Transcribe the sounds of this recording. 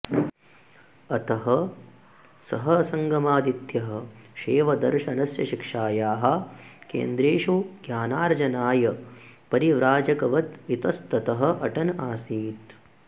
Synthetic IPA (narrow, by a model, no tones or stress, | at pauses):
ɐt̪ɐɦɐ | sɐɦɐɐsɐŋɡɐmaːd̪it̪jɐɦɐ̆ʃeːʋɐd̪ɐɾʃɐnɐsjɐʃikʂaːjaːɦɐ̆kḛːnd̪ɾeːʂuɡjaːnaːɾd͡ʒɐnaːjɐ | pɐɾiʋɾaːd͡ʒɐkɐʋɐt̪it̪ɐst̪ɐt̪ɐɦɐ̆ʔɐʈɐnaːsiːt̪